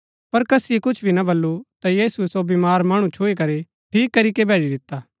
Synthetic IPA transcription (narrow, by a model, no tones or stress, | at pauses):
pɐɾkɐsikʊt͡ʃʰbʱinɐbɐlːut̪ajiːsuesobimaːɾmaːɽ̃ũt͡ʃʰoːik̬ɐɾe | ʈʰiːkːɐɾikebʱeːd͡ʒid̪ɪt̪ːaː